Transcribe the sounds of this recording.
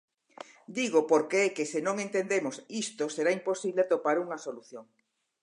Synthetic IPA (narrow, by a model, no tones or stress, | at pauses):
d̪iɣopoɾkeɛkesɪnõŋent̪end̪emosist̪oseɾaimposiβleat̪opaɾuŋɐsoluθjoŋ